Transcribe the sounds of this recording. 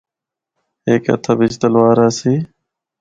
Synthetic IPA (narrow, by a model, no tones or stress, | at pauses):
ɦeːkə̰t̪ʰaːbɪt͡ʃt̪əlʋaːɾaːsiː